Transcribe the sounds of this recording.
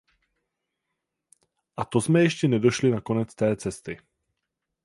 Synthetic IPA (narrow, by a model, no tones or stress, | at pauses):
ʔat̪ozmɛjɛʃcɛnɛdoʃlinakonɛt͡st̪ɛːt͡sɛst̪ɪ